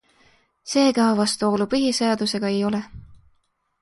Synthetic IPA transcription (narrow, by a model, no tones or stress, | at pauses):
se̞ːɡɑvɑst̪uo̞ːlupɯɦiseɑd̪̥use̞ɡ̥ɑejo̞le